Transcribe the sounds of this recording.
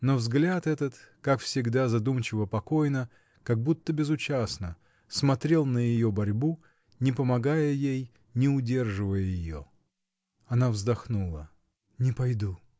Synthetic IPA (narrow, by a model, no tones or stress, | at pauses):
novzɡlʲat̪ɛt̪ət̪kakfsʲɪɡd̪azɐd̪umt͡ɕɪvəpɐko̞jnə | kɐɡ̚but̪ːəbʲɪzʊt͡ɕasnə | smɐt̪ɾʲe̞lˠnəjɪjo̞bɐɾʲbu | nʲɪpəmɐɡajəjej | nʲɪʊdʲe̞rʐɨvəjəjɪjo̰ | ɐnavzd̪ɐxnulˠə | nʲɪpɐjd̪u